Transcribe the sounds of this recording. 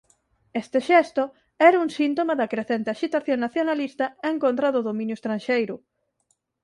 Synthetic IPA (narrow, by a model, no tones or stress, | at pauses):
est̪eʃɛst̪o | ɛɾauŋsint̪omaðɐkɾeθent̪ɪaʃit̪aθjoŋnaθjonalist̪ɐeŋkõnt̪ɾɐðʊðomĩnjʊest̪ɾanʃejɾʊ